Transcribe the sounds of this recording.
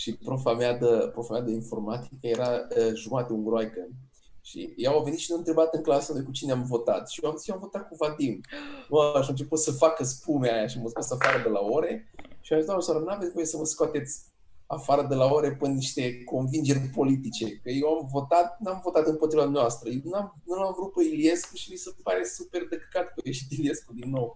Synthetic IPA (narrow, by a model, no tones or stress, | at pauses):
ʃipɾofamead̪əpɾofamejad̪əinfo̞rmat̪ikəje̞ɾaəʒumat̪euŋɡɾoajkə | ʃḭjaawveit̪ʃinuɨnt̪ɾe̞bat̪ɨŋklasənojkut͡ʃineamvo̞t̪at̪ʃijoamjeamvo̞t̪at̪̚kuvad̪imaʃamt͡ʃeput̪səfakəspumeajaʃiaməskat̪safaɾəd̪elao̞ɾe̞ʃiamd̪amasaɾənaved̪kuomjesəməskoat̪e̞t̪sʲ | afaɾəd̪elao̞ɾe̞pɨnnːiʃt̪e̞ko̞nvind͡ʒe̞rʲpo̞lit̪it͡ʃekəjewamvo̞t̪at̪̚namvo̞t̪at̪ɨnpot̪ɾivad̪umnʲeast̪ɾəjewnam | nulamvɾut̪̚pəilie̞skuʃimisepaɾe̞supe̞rd̪əkkat̪kojeʃit̪ilieskud̪inːo̞w